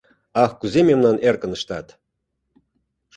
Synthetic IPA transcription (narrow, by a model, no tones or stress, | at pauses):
ɑxkuzememnɑnerkə̆nə̆ʃt̪ɑt̪